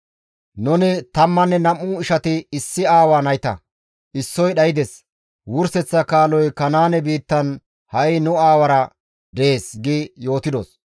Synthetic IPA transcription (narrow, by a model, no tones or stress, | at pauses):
nʊnɪt̪ɐmːɐnːɛnɐmːʊɪʃɐt̪ɪɪsːɪaːwaːnɐjt̪ɐ̰ | ʔɪsːɔjɗɐjɪd̪ɛs | wʊɾsɛt͡sːɐkaːlɔjkɐnaːnɛbiːt̪ːɐn | hɐjnʊaːwɐɾɐ | d̪ɛeːsɡɪjo̞ːt̪ɪd̪os